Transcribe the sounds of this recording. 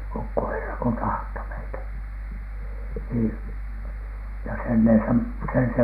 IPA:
ukːoherːɑ ko tɑhto meitæ siː jɑ sen ne sem sen se

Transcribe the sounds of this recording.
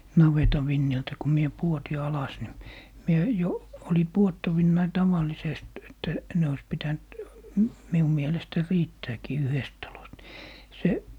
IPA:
nɑʋetɑ ʋinːiltæ ku mie puoti ɑlɑs ni mie jo oli puotːɑʋinːɑi tɑʋɑlˑisest etːæ ne ois pitænt m miu mielestæ riːtːæːkiː yhest tɑlost ni se

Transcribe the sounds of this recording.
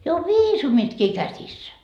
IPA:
jo o ʋiːsumitkiː kæsisːæ

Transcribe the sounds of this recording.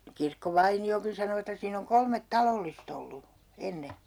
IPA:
kirkːoʋɑiniokin sɑno etːæ siːn oŋ kolmet tɑlolːist olːu enːe

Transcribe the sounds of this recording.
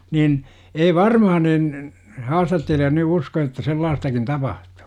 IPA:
nin ei ʋɑrmɑhɑ nin hɑːstɑtːelijɑ ny usko etːæ selːɑːstɑkin tɑpɑhtu̥ː

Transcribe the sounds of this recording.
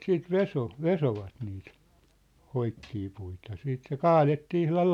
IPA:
siːt ʋeso ʋesoʋɑt niːt hoikːiː puitɑ siːt se kɑːletːiː ihlɑl

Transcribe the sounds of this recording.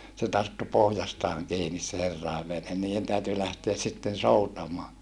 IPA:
se tɑrtːu pohjɑstɑːŋ kiːnis se herːɑˑeʋ ʋenhen niːen tæyty læhteæs sitːen soutɑmoɑ

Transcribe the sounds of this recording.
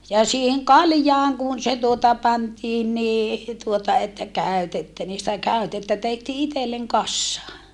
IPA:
jɑ siːheŋ kɑljɑːŋ kun se tuotɑ pɑntiːn niː tuotɑ etːæ kæˑytetːæ niː sitæ kæˑytːetːæ tehtiː itelːeŋ kɑsːɑː

